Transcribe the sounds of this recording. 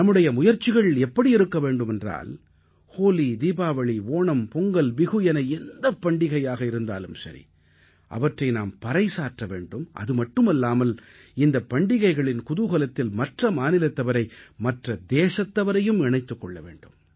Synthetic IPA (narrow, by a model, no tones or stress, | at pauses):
nɐmːɯɽɐjɐmʊjɐɾt͡ʃːɪɣɐɭɛpːɐɽiɪɾɯkːɐʋeːɳɖɯmɛndra̰ːl | hoːlid̪iːbaːʋɐɭiʋoːɳɐmpɔŋɡɐlʋɪɣɯjɛnɐɛnd̪ɐpːɐɳɖɪɣɐjaːɣɐɪɾɯnd̪a̰ːlɯmsɐ̰ɾḭ | ʔɐ̰ʋɐʈrɐɪnaːmpɐɾɐɪsaːɾʈrɐʋḛːɳɖɯmʔɐ̰ðɯmɐʈːɯmɛlːaːmɐl | ɪnd̪ɐpːɐɳɖɪɣɐɪɣɐɭɪnkʊðʊɣɐlɐt̪ːɪlmɐʈrɐmaːnɪlɐt̪ːɐʋɐɾɐɪmɐʈrɐd̪eːsɐt̪ːɐʋɐɾɐjɯmɪɳɐɪt̪ːɯkːɔɭːɐʋḛːɳɖɯm